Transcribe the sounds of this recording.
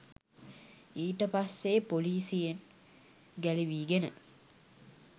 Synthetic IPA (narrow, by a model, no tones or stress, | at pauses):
iːʈəpasːepoliːsijen | ɡæliʋiːɡenə̰